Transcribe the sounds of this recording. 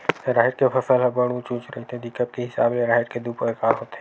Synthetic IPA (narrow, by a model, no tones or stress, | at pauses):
ɾaːɦɪʈkepʰɐsəlɦəbəɽ̃ũt͡ʃũːt͡ʃɾɐɦit̪eɛ̃d̪ɪkəp̚kiɦɪsaːbleɾaːɦɪɾked̪uːpəkaːɾɦoːt̪eɛ